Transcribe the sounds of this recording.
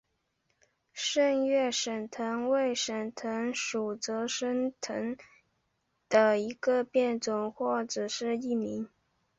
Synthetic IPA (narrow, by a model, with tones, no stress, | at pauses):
ʂə˥˧ŋɥɛ˥˩ʂə˨˩nt̪ʰə˧˥nwe˥˩ɪʂə˨˩nt̪ʰə˧˥nʂu˨˩t͡sɤ˧˥ʂə˥ŋt̪ʰə˧˥ŋ | d̪̥ə˧i˧˥ɡə˧pjɛ˥˩nt͡sʊ˨˩ŋxwɔ˥˩ʈ͡ʂ̩˨˩ʂɻ̩˥˧i˥˩mi˧˥ŋ